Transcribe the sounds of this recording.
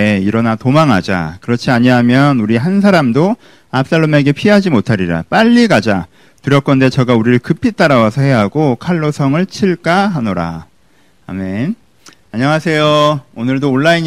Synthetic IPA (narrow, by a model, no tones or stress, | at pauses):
iɾʌnatomaŋɦad͡ʑa̰kɯɾʌt͡ɕʰiaɲiɦamjʌnuɾiɦans̬ʰaɾamdo | ap̚s͈aɭːome̞ɡe̞pʰiɦad͡ʑimotʰaɾiɾa̰p͈aʎːikad͡ʑa | tuɾjʌk͈ʌnde̞t͡ɕʌɡauɾiɾɯɭkɯpʰit͈aɾawasʰʌɦe̞ɦaɡokʰaɭːosʰʌŋɯɭt͡ɕʰiɭk͈aɦanoɾa̰ | a̰me̞n | aɲaŋasʰe̞joonɯɭdoːɭːaiɲ